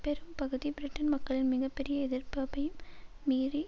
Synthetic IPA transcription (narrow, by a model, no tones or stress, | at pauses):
pɛɾɯmpɐɣɯðibɪɾɪʈːɐnmɐkːɐɭɪnmɪɣɐpːɛɾɪjɐɛðɪrpɐbɐjɯmː | iːɾi